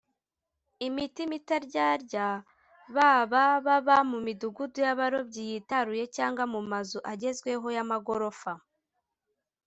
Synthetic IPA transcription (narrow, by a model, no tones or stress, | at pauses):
imitimitaɾɟaːɾɟa | βaβaβaβamumiduɡudujaβaɾo̞bɟijitaɾuje̞caːŋɡwamumazuʔaɟe̞zɡwe̞ɦo̞jamaɡo̞ɾo̞fa